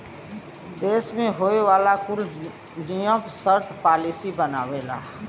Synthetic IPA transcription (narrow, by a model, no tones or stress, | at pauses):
d̪eːsmẽɦoːeʋaːlakʊl | nijəpsəɾt̪ʰpaːlisibənaːwela̰ː